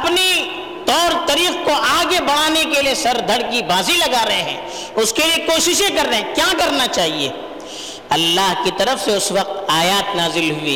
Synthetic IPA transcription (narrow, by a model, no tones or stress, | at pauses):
ɐpni | t̪ɔːɾt̪ɐɾiːxkoʔaːɡebɐɽ̤̃aːnek̬eliesɐɾd̪ʱɐɽk̬ibaːzilɐɡaːɾɐɦeɦɛ̰̃ː | ʊskeliekoːʃɪʃẽkɐɾːɐɦɛ̃kjaːkɐɾnat͡ʃaːɦiḛː | ɐlːaːɦkit̪ɐɾəfseʊswɐq̚t̪aːjaːt̪naːzɪlɦʊḭː